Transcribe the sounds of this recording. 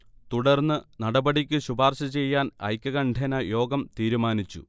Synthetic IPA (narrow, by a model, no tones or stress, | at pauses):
t̪uɽɐrnːɨnɐɽɐbɐɽikʲːɨɕubʱaːrɕɐt͡ɕe̞jːaːnɐ̰jkʲːɐɣɐɳɖʱenɐjo̞ːɡɐmt̪iːɾumaːnit͡ɕːṵ